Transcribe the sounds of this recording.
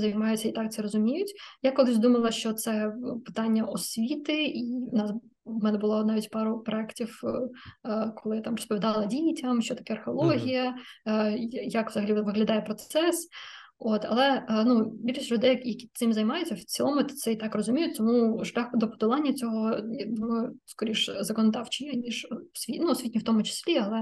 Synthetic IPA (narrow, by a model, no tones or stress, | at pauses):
zɐjmɑjʊt͡sʲːɐit̪ɑk̚tsɛɾɔzʊmʲijʊtʲjakɔlˠɪzʲd̪umɐlˠɐʃt͡ʃɔt̪sɛpɪ̥t̪ɑnʲːɐʔɔsʲʋʲit̪ɪiʊnɑs | mɛnɛbʊlˠɔnɑʋʲitʲpɑɾʊpɾɔɛktʲiw | kɔlˠɪt̪ɑmrɔspɔʋʲid̪ɑlˠɐdʲijtʲɐmʃt͡ʃɔt̪ɐ̥kɛɐrxeɔlˠɔɦʲijɐ | jɐkʋzɐɦɐlʲiʋɪɦlʲɐd̪ɑjɛpɾɔt̪ɛs | ot̪ɐ̰lˠɛnubʲilʲʃisʲlʲʊd̪ɛjjɐkʲit̪sɪmzɐjmɑjʊt͡sʲːɐt͡sʲilˠɔmʊt̪t̪sɛit̪ɑkrɔzʊmʲijʊtʲt̪ɔmuʒlʲaxd̪ɔpɔ̥d̪ɔlˠɑnʲːɐt͡sʲɔɦɔd̪ʋɔɛskɔɾʲiʂzɐkɔnɔd̪ɑwt͡ʃɪjɐnʲiʒsʲʋʲinuɔsʲitʲnʲiwt̪ɔmʊt͡ʃɪ̥sʲlʲiɐlˠɛ